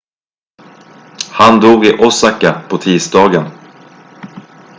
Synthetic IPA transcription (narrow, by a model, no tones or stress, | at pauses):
hand̪uːɡɪʔɔsakːapʰɔt̪ʰiːsd̪ɑːɡən